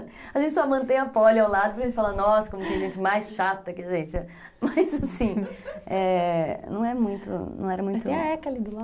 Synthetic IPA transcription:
aʒẽnt͡ʃɪsɔmɐ̃t̪ẽj̃ɐpɔlawlad̪ʊpɾkɐʒẽnt͡ʃɪfalanɔsɐ̥kõmʊkɪʒẽnt͡ʃɪmajsʃat̪ɐkɪaʒẽt͡ʃɪɛ | mɐjzasĩɛnɐ̃w̃ɛmũj̃t̪ʊ̰nɐ̰̃w̃ɛɾɐmũj̃t̪ʊ̃ɐɛkalɪd̪ʊla

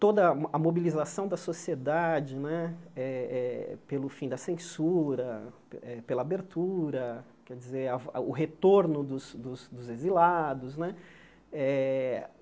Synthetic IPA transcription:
t̪od̪ɐɐmobilizasɐ̃w̃d̪ɐsosied̪ad͡ʒɪnɛɛɛpelʊfĩd̪ɐsẽsuɾɐ | ɛpelɐabeɾt̪uɾɐ | kɛd͡ʒizeɾɐɐ̰ʊɦet̪oɾnʊd̪ʊsd̪ʊsd̪ʊzezilad̪ʊznɛ | ɛ

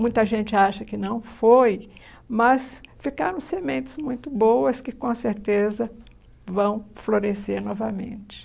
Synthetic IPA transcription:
mũj̃t̪ɐʒẽnt͡ʃɪaʃɐkɪnɐ̃w̃foj | mɐsfikaɾɐ̃w̃semẽnt͡ʃɪ̥zmũj̃t̪ʊbowɐskɪkõseɾt̪ezɐ | vɐ̃w̃floɾeseɾnɔvɐmḛ̃nt͡ʃɪ̥

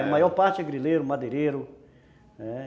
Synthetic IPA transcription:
majɔɾpaɾt͡ʃɡɾileɾʊmad̪eɾeɾʊ | ɛ

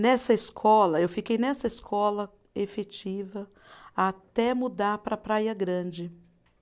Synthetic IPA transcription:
nɛsɐɪskʰɔlɐewfikejnɛsɐeskʰɔlɐ | efet͡ʃivɐ | at̪ɛmud̪aɾpɾɐpɾajɐɡɾɐ̃d͡ʒɪ

